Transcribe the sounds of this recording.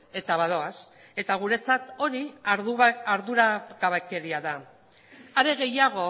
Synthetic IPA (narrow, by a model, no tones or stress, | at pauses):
e̞t̪aβað̞o̞as | e̞t̪aɣ̞uɾe̞t͡sat̪o̞ɾiː | ɾðuɾaɣaβeke̞ɾiaða | aɾe̞ɣe̞jaɣ̞o̞